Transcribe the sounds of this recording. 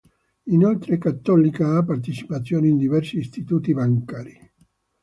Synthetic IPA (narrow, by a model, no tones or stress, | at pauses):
inalt̪ɾekat̪ːɔlikaapːart̪it͡ʃi̥pat̪sːjoːneind̪ivɛrsiːst̪it̪uːt̪ibaŋkaːɾi